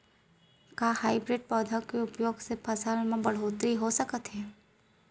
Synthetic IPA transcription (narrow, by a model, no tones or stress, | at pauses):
kaːhaːɪbɾeʈ̚pɔːd̪ʱəkeʊpjoːɡsepʰɐsalmãbɐɽ̤oːt̪ɾiɦosəkət̪ɦɛː